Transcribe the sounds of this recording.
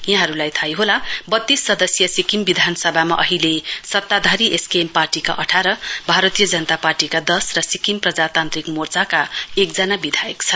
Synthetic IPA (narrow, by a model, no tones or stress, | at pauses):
jãɦʌɾulajt̪ʰajɦolabʌt̪ːisːʌd̪ʌsjʌsikimbid̪ʱanʌsʌbʱama̰ʔʌɦilesʌt̪ːad̪ʱaɾiʔeskemparʈika̰ʔʌʈʰaɾʌbʱaɾʌt̪ijʌd͡zʌnʌt̪aparʈikad̪ʌsrʌsikimprʌd͡zat̪ant̪ɾikmort͡sakaek̚d͡zʌnabid̪ʱajekt͡sʰʌ